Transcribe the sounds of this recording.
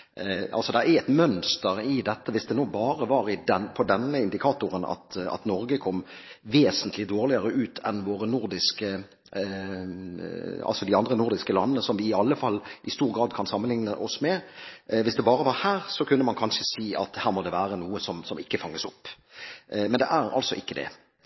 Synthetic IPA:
ɑlsɔd̪ɛæɛt̪mœnst̪əɾɪd̪ɛt̪ːəʋɪsd̪ɛnoːbɑːɾəʋɑɾɪd̪ɛnpʰɔd̪ɛnːəɪnd̪ɪkʰɑːt̪ʊɾənɑ̰t̪ɑ̰t̪nɔɾɡəkʰɔmʋeːsənt̪lɪd̪oːʁlɪəɾəʉːt̪ʰɛnʋoːɾənʊɾd̪ɪskə | ɑ̰lsɔd̪ɪɑnd̪ɾənʊɾd̪ɪskəlɑnːənəsɔmʋɪːɑlːəfɑlːʔɪst̪uːɾɡɾɑːd̪kʰɑnsɑmːənlɪŋnəʔɔsmɛʋɪsd̪ɛbɑːɾəʋɑɾhæːɾsɔkʰʉnːəmɑnkʰɑnʃəsiːɑ̰t̪hæːɾmɔd̪ɛʋæːɾənuːəsɔmsɔmɪkːəfɑŋːəsʊpː | mɛnd̪ɛʔæɾɑ̰lsɔʔɪkːəd̪ɛ̰

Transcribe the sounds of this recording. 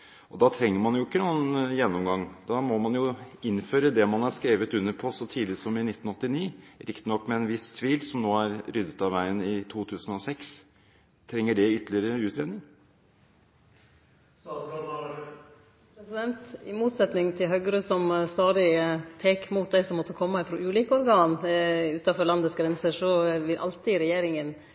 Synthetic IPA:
ʔɔd̪ɑt̪ʰɾɛŋːəmɑnjʊɪkːənuːənjɛnːɔmɡɑŋːd̪ɑmɔmɑnjʊɪnføːɾəd̪ɛmɑnæɾskɾeːʋət̪ʉnːəɾpʰɔsɔt̪ʰiːd̪lɪsɔmɪnɪt̪ːn̩ɔt̪ːɪniːɾʔɪkt̪nɔkːmɛɛnʋɪst̪ʰʋiːlsɔmnoːæɾɾʏd̪ət̪ɑʋʋæɪənɪt̪ʰuːt̪ʰʉːsənɔsɛks | t̪ʰɾɛŋːəɖɛʏt̪ːlɪəɾəʉːt̪ʰɾeːd̪nɪŋ | pʰɾɛsɪd̪ɛnt̪ɪmuːt̪sɛt̪nɪŋt̪ʰɪlɦœʏɡəɾøsɔmst̪ɑːd̪ɪt̪ʰeːkmuːt̪̚d̪æɪsɔmːɔt̪ːəkʰɔmːəɪfɾoːʉːliːkəɔɾɡɑːnʉːt̪ɑfɔɾlɑnd̪əsɡɾɛnsəʂɔʋɪlʔɑ̰lt̪ɪɾɛjeːɾɪŋən

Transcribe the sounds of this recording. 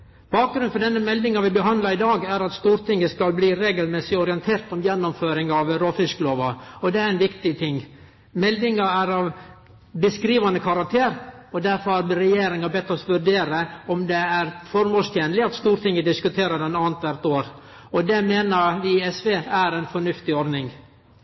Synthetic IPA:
b̥ɑːk̚ɡɾʉnfɔɖɛnːəmɛld̪ɪŋɑʋɪbəɦɑnd̪lɑɾɪd̪ɑːɡæɾɑt̪st̪uːɾʈ̪ɪŋːəskɑlbliːɾeːɡəlmɛsɪɔɾɪɛnt̪ʰeːɾt̪ɔmjɛnːɔmføːɾɪŋɑʋɾoːfɪskəloːʋɑɔd̪ɛæɾɛnʋɪkt̪ɪt̪ʰɪŋː | mɛld̪ɪŋɑæɾɑʋ | bəskɾiːʋɑnəkʰɑɾɑk̚t̪ʰeːɾɔd̪æɾfɔɾhɑɾbɾɛjeːɾɪŋɑbɛt̪ːɔsʋʉɖeːɾəɔmd̪ɛæɾfɔɾmoːlst̪jeːnəlɪɑt̪st̪uːɾʈ̪ɪŋːəd̪ɪskʉt̪ʰeːɾədɛnɑːnt̪ʰʋæɾt̪oːɾ | ɔd̪ɛmeːnəɾʋɪɛsʋeːæɾɛɪnfɔɳʉft̪ɪɔɾnɪŋ

